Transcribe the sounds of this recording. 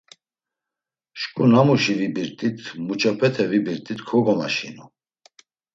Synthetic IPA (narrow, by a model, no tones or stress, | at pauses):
ʃkʼunamuʃivibiɾt̪ʼit̪ʰmut͡ʃʰʼapʰɛt̪ʰɛvibiɾt̪ʼit̪kʰɔɡɔmaʃḭnu